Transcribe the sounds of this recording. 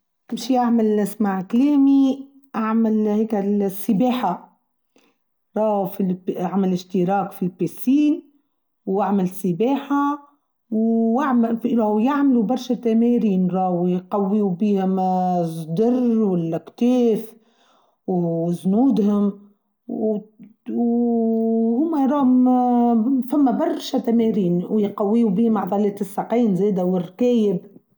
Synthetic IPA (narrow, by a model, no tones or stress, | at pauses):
kɪmʃijaʕmalʔɪsmaʕkleːmi | ʔaʕmalheːkɪlsːɪbeːħa | ɾˤɑːwfiaʕmɪlɪʃt̪ɪɾɑːkfilpesiːn | waʕmɪlsɪbeːħa | waʕmfiɾˤɑwjaʕmlubɑɾˤʃat̪ːameːɾiːnɾˤɑːwijqɑwːiubiːhʊmzˤd̪ɑrˤwɪlːækt̪eːf | wznuːd̪hʊm | w | hʊːmːæɾˤɑːhʊm | fæmːæbɑɾˤʃæt̪æmæɾiːnwjqɑwːiːubiːhmʕd̪ˤɑlɛːt̪ɪsːɑqiːnzæːd̪æwɪrk̪æːjɪb